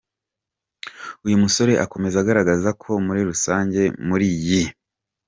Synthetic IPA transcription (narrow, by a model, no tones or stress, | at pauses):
ujumuso̞ɾe̞ʔako̞me̞zaɡaɾaɡazakʰo̞muɾiɾusaːɲɟe̞muɾiːji